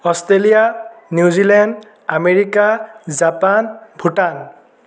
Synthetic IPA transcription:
ɔstɹelijaniuzilɛnɖ | ameɹikazapanbʱuʈan

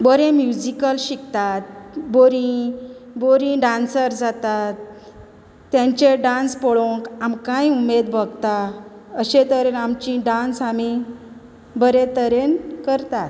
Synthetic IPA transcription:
bəɾẽmjud͡ʑikəlɕikt̪at̪̚boɾĩ | boɾĩɖãnsəɾd͡zat̪at̪ː | jãɲt͡ɕeɖãnspəɭõkamkãiumed̪bʱəɡt̪a | əɕet̪əɾenamt͡ɕĩɖansami | bəɾẽt̪əɾenkəɾt̪at̪

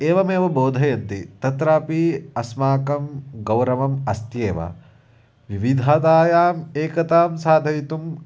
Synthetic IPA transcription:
eːʋɐmeːʋɐboːd̪ʱɐjɐnt̪it̪ɐt̪ɾaːpiɐsmaːkɐmɡɐwɾɐʋɐmɐst̪jeːʋɐ̰ | ʋiʋid̪ʱaːt̪aːjaːmeːkɐt̪aːmsaːd̪ʱɐjit̪um

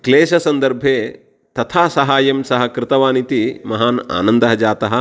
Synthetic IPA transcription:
kleːʃɐsɐnd̪ɐɾbʱeː | t̪ɐt̪ʰaːsɐɦaːjɐmsɐɦɐkɾɪt̪ɐʋaːnit̪imɐɦaːna̰ːnɐnd̪ɐɦɐd͡ʒaːt̪ɐɦɐ̆

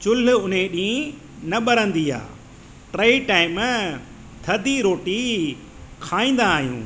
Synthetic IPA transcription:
t͡ɕʊl̤ʊʊnẽɗĩĩ | nɐɓɐɾə̃nd̪ia̰ː | ʈɾeːiʈaːɪm | t̪ʰɐd̪iɾoːʈi | kʰaːĩːn̆d̪aːɦijṵ̃ː

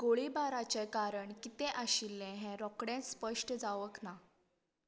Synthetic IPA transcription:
ɡoɭibaɾat͡ɕekaɾəɳkit̪ɛ̃ʔaɕilːɛ̃ɦɛ̃ɾɔkɽẽspəʂʈəd͡zaʋəkna

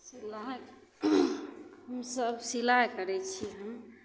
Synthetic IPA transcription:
sila | ɦəmsəbsilaɦkəɾɛt͡ʃʰiɦəm

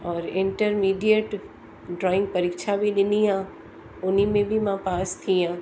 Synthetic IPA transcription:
ɔːɾɪ̃ɳʈəɾmiːɖijəʈ | ɖɾɔːɪ̃ŋɡ̚pɐɾɪkʃabʱilɪniɦãː | ʊnimẽbʱimãpaːst̪ʰiɦãː

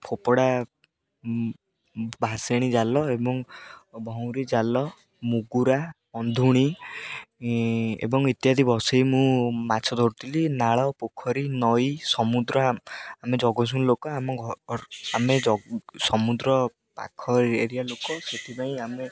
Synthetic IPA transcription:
pʰopɔɽa | bʱaseɽ̃id͡ʒalɔebɔŋbʱɔw̃ɾid͡ʒalɔ | muɡuɾa | ɔnd̪ʱuɽ̃i | ḛbɔŋit̪jad̪ʱibɔsejmũmat͡ʃʰɔd̪ʱɔɾut̪ʰilinaɭɔpokʰɔɾinɔjsɔmud̪ɾɔamed͡ʒɔɡɔsunlokɔamɔɡʱɔɾamed͡ʒɔsɔmud̪ɾɔ | pa̰kʰɔeɾijalokɔset̪ʰipaĩame

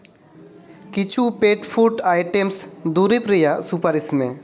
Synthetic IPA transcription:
kɪt͡ʃʰupeːʈpʰuːʈaːɪʈemsd̪uːɾipɾijasupəɾɪsmẽ

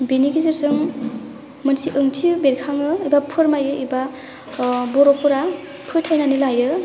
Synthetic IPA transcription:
biniɡiziɾsɯŋ | mɯnsiʔɯŋtʰibeɾikʰaŋɯibapʰɯɾmajɯʔiba | bɔɾɔpʰuɾa | pʰɯjtʰajnanilajɯ

